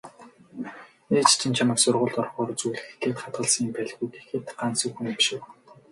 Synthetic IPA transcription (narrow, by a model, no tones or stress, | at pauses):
eːt͡ɕt͡ɕʰĭnt͡ɕʰamə̆ksʊrʁʊːɮt̪ɔrχɔːrt͡sujɮɘ̆xe̥ɮeːt̪χat̪̚ɢə̆ɮsiːmpæɮɣujk̪e̥xĕːt̪ɢansɵ̆xuŋemʃɘ̆w